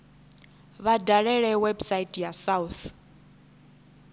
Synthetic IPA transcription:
βadʱaɺɛɺɛwɛbsaitʼjasauθ

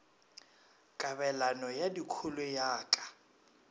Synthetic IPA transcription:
kʼabɛlanɔjadikʰulʊjaːkʼḁ

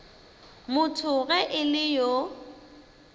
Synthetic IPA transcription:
mʊtʰʊɣɛʔɪlɪjo

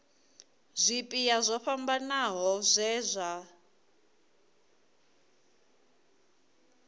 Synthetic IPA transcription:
zʷipʼijazʷɔɸambanaɦɔzʷɛːzʷa

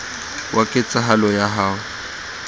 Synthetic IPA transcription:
wʔakʼɪt͡sʼaɦalɔjaɦaːʊ

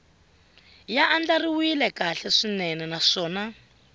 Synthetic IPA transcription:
jaʔand͡ɮariwilɛkaɬɛʂinɛnɛnaʂɔːna

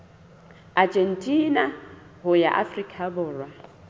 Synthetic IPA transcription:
ad͡ʒʼen̩tʼina | ɦʊja̰ʔa̰frikʼʰabʊːrwa

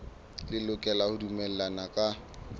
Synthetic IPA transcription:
lɪlʊkʼɛlahʊdumɛl̩lanakʼa

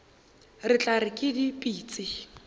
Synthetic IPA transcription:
rɪt͡ɬʼarɪkʼɪdipʼiːt͡sʼɪ

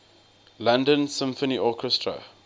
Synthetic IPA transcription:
lãndə̃nsɪ̃mfəniʔɔkʰɛstɹə̰

